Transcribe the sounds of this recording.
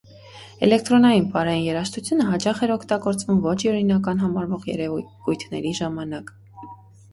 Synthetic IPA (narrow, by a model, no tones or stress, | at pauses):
ɛ̰lɛk̚ʰt̪ɾɔnɑjinpɑɾɑjinjɛɾɑʃt̪ʰut͡sʰjunəɦɑt͡ʃɑχɛɾɔkʰt̪ɑɡɔɾt͡svumvɔt͡ʃʰiɔɾinɑkɑn̪ɦɑmɑɾvɔʁjɛ̰ɾɛ | ujt̪ʰnɛ̰ɾiʒɑmɑnɑk